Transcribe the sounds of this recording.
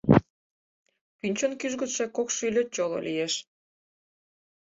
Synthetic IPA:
pynʲt͡ɕonkyʒɡot̪ʃekokʃylʲøt̪̚t͡ɕolo̰lʲijeʃ

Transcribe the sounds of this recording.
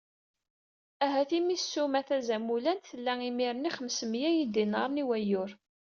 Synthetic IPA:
æɦæθimisːumæθæzæmulænt̪θəlːæimiɾəniχəmsəmjæjid̪inəɾˤniwæjʊɾ

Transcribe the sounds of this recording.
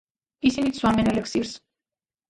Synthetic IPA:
isinit̪swamɛnɛlɛksiɾs

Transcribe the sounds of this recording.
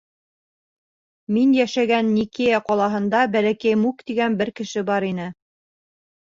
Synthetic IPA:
minjæʃæɡænːikejæqɑlˠɑɦɤ̆nd̪ɑbælækæjmukt̪iɡænbɘɾkɘ̆ʃɘbɑɾinɘ

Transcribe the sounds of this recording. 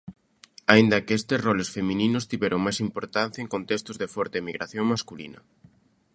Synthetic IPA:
aind̪ɐkest̪ɪsrɔlesfemĩninʊst̪iβɛɾoŋmajsimpoɾt̪an̟θjɐeŋkont̪est̪ʊzðefɔɾt̪emiɣɾaθjoŋmaskulḭnɐ̰

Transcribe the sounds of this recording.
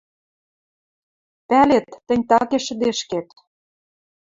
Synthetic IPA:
pælet̪ːɘ̆nʲt̪ɑkeʃə̆d̪eʃket̪

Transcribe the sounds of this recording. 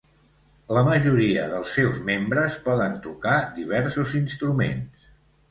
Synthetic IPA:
ləməʒuɾiə̰ðəlˠsːɛwzmembɾəspɔðənt̪ukad̪iβ̞ɛɾsuzinst̪ɾumḛns

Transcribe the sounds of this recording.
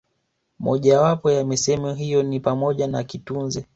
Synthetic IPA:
mɔʄawapɔjamɛsɛmɔɦijɔnipamɔʄanakitunzɛ

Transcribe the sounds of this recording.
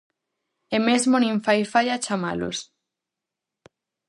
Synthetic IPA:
emezmonĩɱfajfajat͡ʃama̰lo̰s

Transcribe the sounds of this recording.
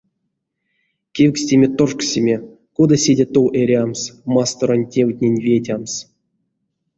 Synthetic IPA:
kʲewʲksʲtʲemʲet̪orksʲimʲe | kod̪asʲedʲet̪owʔeɾʲamsmast̪oɾonʲtʲewt̚ʲnʲenʲvʲetʲams

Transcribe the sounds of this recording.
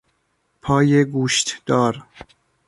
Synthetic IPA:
pʰɒːjeɡuːʃt̪d̪̥ɒːɾ

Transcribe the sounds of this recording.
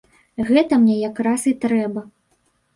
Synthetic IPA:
ɣɛt̪ɐmnʲɛjakɾasit̪ɾɛbɐ

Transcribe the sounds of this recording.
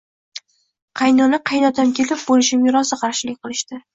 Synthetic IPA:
qʰɑjnɒnɪqʰɑjnɒt̪amkʲʰe̞lɪp̚bolɪʃɪmjʊɾɒsaqʰɑɾʃɪlɪk̚ʲqʰɨlˠɪʃt̪ɪ

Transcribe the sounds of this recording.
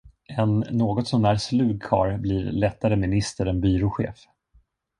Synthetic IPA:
ɛnːoːɡɔt̪sɔmæɾslʉ̟ːɡ̚kʰɑ̰ːɾbliːɾlɛt̪ːaɾəmɪnɪst̪əɾɛnbyːɾʊɧḛːf

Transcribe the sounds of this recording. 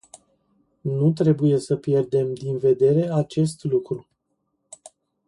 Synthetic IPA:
nut̪ɾe̞buje̞səpje̞rd̪e̞md̪inve̞d̪e̞ɾe̞at͡ʃe̞st̪lukɾu

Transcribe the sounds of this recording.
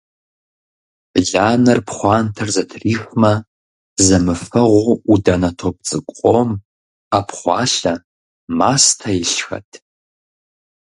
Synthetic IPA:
ɮaːnɨrpʰχʷɑːntʰɨrzɐtʰriːħʷmɐ | zɐmɨfɐʁʷʊudanɐtʰop̚t͡sʼɨkʷʼqʼom | apʰχʷɑ̰ːɬɐ | maːstʰaɪɬxɐ̰tʼʰ

